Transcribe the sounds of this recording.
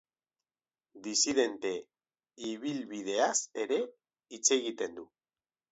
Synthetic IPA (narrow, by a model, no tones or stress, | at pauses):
d̪isið̞e̞nt̪e̞ | iβ̞ilβiðe̞ase̞ɾe̞ | it͡se̞ɣit̪e̞nd̪u